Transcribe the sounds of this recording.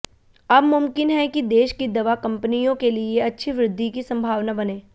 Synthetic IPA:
ɐbmʊmkɪnɦɛkid̪eːʃkid̪ɐʋakɐ̃mpənijõkelieɐtːʃʰiʋɾɪd̪ʱːikisɐ̃mbʱaːʋnabɐnẽː

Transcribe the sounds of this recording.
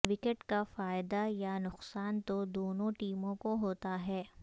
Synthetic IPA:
ʋɪkeʈkafaːɪd̪ajanʊqsaːnt̪od̪oːnõʈiːmõkoɦoːt̪aɦɛː

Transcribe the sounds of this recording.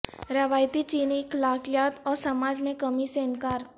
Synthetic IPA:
ɾɐʋaːjt̪it͡ʃiːniklaːkijaːt̪ɔːɾsɐmaːd͡ʒmẽkɐmiseɪnkaːɾ

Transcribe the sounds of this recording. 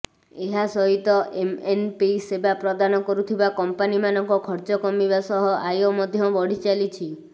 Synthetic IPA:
eɦasɔɦit̪ɔʔemenpisebapɾɔd̪anɔkɔɾut̪ʰibakɔmpanimanɔŋkɔkʰɔɾt͡ʃɔkɔmibasɔɦɔʔajomɔd̪ʱjɔbɔɽ̤it͡ʃalit͡ʃʰi

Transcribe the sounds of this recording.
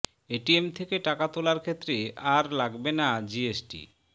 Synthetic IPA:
eʈiemt̪ʰekeʈakat̪olaɾkʰet̪ːɾeaɾlaɡbenad͡ʑiesʈḭ

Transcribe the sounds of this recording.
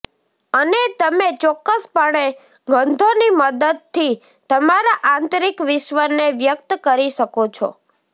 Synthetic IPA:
ənet̪əmet͡ʃɔkːəspəɽ̃e | ɡʱənd̪ʱoniməd̪əd̪̚t̪ʰːi | t̪əmaɾaʔãnt̪ɾikʋɪʃʋəneʋjək̚t̪əkəɾiʃəkot͡ʃʰɔ̰

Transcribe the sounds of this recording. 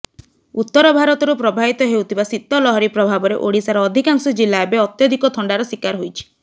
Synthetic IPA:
ut̪ːɔɾɔbʱaɾɔt̪ɔɾupɾɔbʱabit̪ɔɦewt̪ʰibasit̪ːɔlɔɦɔɾipɾɔbʱabɔɾḛʔoɽisaɾɔːd̪ʱikaŋsɔd͡ʒilːaebeɔt̪jɔd̪ʱikɔt̪ʰɔɳɖaɾɔswikaɾɦojt͡ʃʰi̥

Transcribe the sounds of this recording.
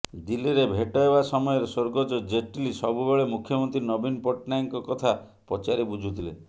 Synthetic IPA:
d̪iliɾebʱeʈɔebasɔmɔjɔɾesoɾɡɔd͡ʒɔd͡ʒeʈilisɔbubeɭemukʰːjɔmɔnt̪ɾinɔbinpoʈnajŋkɔkɔt̪ʰa | pɔt͡ʃaɾibud͡ʒʱut̪ʰile

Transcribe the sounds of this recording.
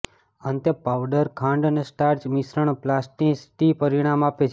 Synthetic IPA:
ənt̪jəpaʋɖəɾkʰãɳɖənesʈaɾd͡ʒmisɾəɳ̃plasʈisʈipəɾiɽ̃amapet͡ʃʰ

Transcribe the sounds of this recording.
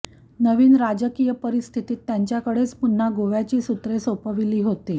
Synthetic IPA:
nəʋiːnɾad͡ʑəkijəpəɾist̪ʰit̪iːt̪ːjaɲt͡ɕjakəɽet͡spunːaɡoʋjat͡ɕiːsut̪ɾesəwpəʋiliːɦot̪iː

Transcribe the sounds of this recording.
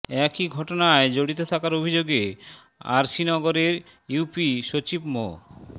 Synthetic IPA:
ɛkiɡʱɔʈonaed͡ʑoɽit̪ot̪ʰakaɾobʱid͡ʑoɡe | a̰ɾʃinɔɡoɾeɾ | jupiʃot͡ɕibmo̰

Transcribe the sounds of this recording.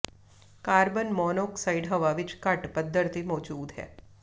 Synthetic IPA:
kaːɾbənmɔːnoːksaiɖɦɐʋaʋɪt͡ʃkɐʈpəd̪ʱːəɾt̪imɔːd͡ʒuːd̪ɦɛ̰ː

